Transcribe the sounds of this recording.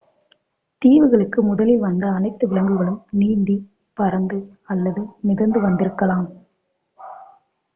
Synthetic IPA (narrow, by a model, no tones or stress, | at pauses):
t̪iːʋɯɣɐɭɯkːɯmʊðɐlɪlʋɐnd̪ɐːnɐɪt̪ːɯʋɪɭɐŋɡɯɣɐɭɯmniːnd̪i | pɐɾɐnd̪ɯ | ɐlːɐðɯnɪðɐnd̪ɯʋɐnd̪ɪɾɯkːɐlaːm